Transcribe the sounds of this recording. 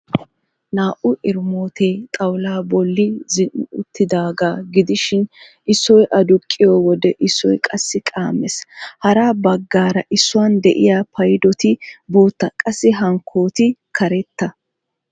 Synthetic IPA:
naːʔʊʔɪɾmoːt̪eːt̪ʼɐwlaːbɔlːɪzɪnʔʊ̰t̪ːɪd̪aːɡaːɡɪd̪ɪʃɪnʔɪsːɔjʔɐd̪ʊkʼːɪjowɔd̪ɛʔɪsːɔjkʼɐsːɪkʼaːmːɛshɐɾaːbɐɡːaːɾɐʔɪsːʊwɐnd̪ɛʔɪ̰jaːpʰɐjd̪ɔt̪ɪboːt̪ːɐkʼɐsːɪɦɐŋkʰːo̞ːt̪ɪkʰɐɾɛt̪ːɐ

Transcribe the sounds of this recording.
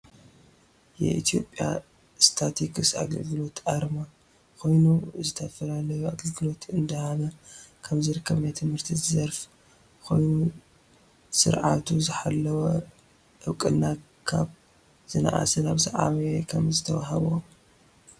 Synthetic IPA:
jɛ̰ʔḭt̪ʰijo̞̰pʼːja̰ | st̪ʰat̪ʰikʰɨsa̰ɡɐ̰lɡɨlo̞t̪ʔaɾma | kʰo̞jnuzɨt̪ʰɐfɐlalɐjuaɡɐlɡɨlo̞t̪ɨnd̪ɐhaβɐkʰɐmzɨɾɨkʰːɐβnajt̪ʰɨmhɨɾt̪ʰizɐɾf | kʰo̞̰jnu | sɨ̰ɾʕat̪ʰuzɨħalːɐwɐ | ʔɨwkʼɨlːa | kʰaβ | z̥ɨna̰ʔa̰sɐnaβzɐʕa̰βɐjɛkʰɐmzɨt̪ʰɐwaɦɐβo

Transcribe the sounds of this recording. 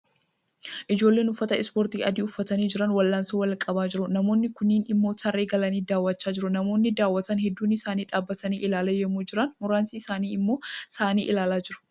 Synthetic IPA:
ʔɪd͡ʒo̞ːlːe̞ːnʊfːɐt̪ɐɪspoɾt̪iːɐd̪iːʊfːɐt̪ɐniːd͡ʒɪɾɐnwɐlːaːnsoːwɐlkʼɐbaːd͡ʒɪɾʊnɐmo̞ːnːɪkʊnːiːnɪmːo̞ːsɐrːeːɡɐlɐniːd̪aːwːɐt͡ʃːaːd͡ʒɪɾʊnɐmo̞ːnːɪd̪aːwːɐt̪ɐnɦɛd̪ːuːnɪsaːniːᶑaːbːɐt̪ɐniːʔɪlaːlɐjɛmːuːd͡ʒɪɾɐnmʊɾaːnsiɪsaːniːɪmːo̞ːsaːniːʔɪlaːlaːd͡ʒɪɾʊ̥

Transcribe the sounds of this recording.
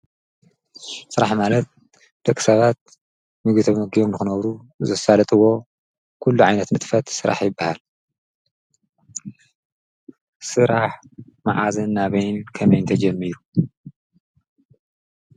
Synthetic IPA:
sɨɾaħmalɐt̪̚ | d̪̥ɐkʼːi̥sɐβat̪̚ | mɨɡɨt̪ʰɐmmɐɡijomnɨxɨnɐβɾu | zɐsalɐt̪ʼɨwo̞ | kʰulːuʕajnɐt̪mɨt̪ʼfɐt̪sɨɾa̰ħjɪbːahal | sɨɾaħ | ma̰ʕazɐnːaβɐjnkʰɐmɐjnt̪ʰɐd͡ʒɐmːiɾu

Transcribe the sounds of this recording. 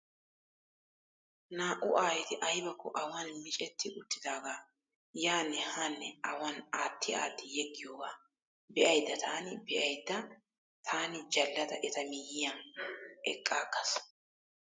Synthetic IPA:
naːʔʊʔaːjɛt̪ɪʔɐjbɐkʰːɔʔɐwanmɪt͡ʃʼɛt̪ːɪʔʊt̪ːɪd̪aːɡaː | jaːnːɛhanːɛʔɐwɐnaːt̪ʰːɪa̰ːt̪ːɪjɛɡːɪjoːɡaː | bɛʔɐjd̪ːɐt̪ʰaːnɪbɛʔɐjd̪ːɐ | t̪ʰaːnɪd͡ʒɐlːɐd̪ɐ̰ʔɛt̪ɐmɪjɪjɐnɛ̰kʼːaːɡɐs

